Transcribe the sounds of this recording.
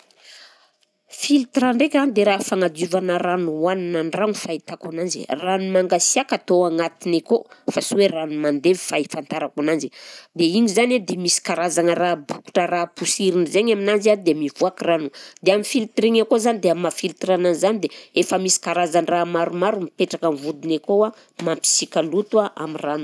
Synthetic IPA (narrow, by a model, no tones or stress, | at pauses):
filt̪ɾaɳɖ͡ʐekʲanid̪eɾafaŋad͡ʒ̪ivanəɾanuaninanranufait̪akunand͡ʒḭranumaŋɡasiakat̪oaŋat̪inekofasuweranumand̪evifaifant̪aɾakunand͡ʒid̪eiɲizaned̪emisi̥kaɾazanərabuku̥ʈ͡ʂərapusiɾinizeɲaminanzad̪emivuakiranud̪eamifilt̪ɾiŋakozanid̪eamafilt̪ɾananizanid̪eefəmisi̥kaɾazanramaɾumaɾumipeʈ͡ʂakanvud̪inekoa | mampi̥sikʲalut̪uaʔa̰miranu